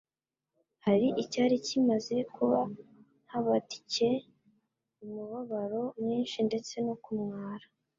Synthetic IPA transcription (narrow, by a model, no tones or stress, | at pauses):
haɾiʔicaːɾicimaze̞kuβa | nhaβati̥ce | umuβaβaɾo̞mɲiːnʃinde̞t͡se̞nokumŋaːɾḁ